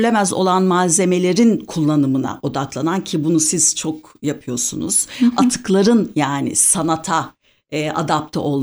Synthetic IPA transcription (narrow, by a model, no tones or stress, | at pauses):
lʲe̞mæzo̞̰lˠanmaːze̞me̞lʲe̞ɾinkʰulˠːanɯmɯna̰ʔo̞d̪aklˠanancʰibunusiz̥t͡ʃʰo̞k | japʰɯjo̞ɾsṵnṵz̥at̪ʰɯ̥klˠaɾɯnjaːnɪ̰sanat̪ʰa | ʔa̰d̪ap̚t̪ʰɛ̰ʔo̞lˠ